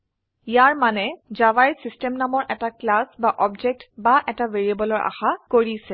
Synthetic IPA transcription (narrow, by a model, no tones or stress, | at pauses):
jaɹmanɛzavajsistɛmnamɔɹʔɛtaklasbaʔɔbd͡ʒek̚tbaʔɛtaveɹiabɔlɔɹʔa̰xakoɹisɛ